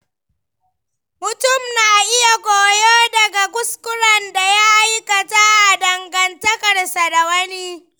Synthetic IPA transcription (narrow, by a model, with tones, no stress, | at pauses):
mʊ˨tʊ˦˨mnaː˨ʔɪ˦ja˨kʷoː˨joː˦dɐ˨ɡa˨ɡʊ˦skʷʊ˦ɾɐ˨nda˨ja˦ʔa˦jkɐ˨ta˦ʔa˨dɐ˨ŋɡɐ˨ntɐ˦kɐ˨rsa˨da˨wɐ˦niː˦